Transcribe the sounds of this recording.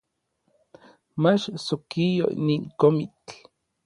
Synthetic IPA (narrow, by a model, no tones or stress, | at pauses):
mat͡ʃsokijo̰ḭniŋkomit͡ɬ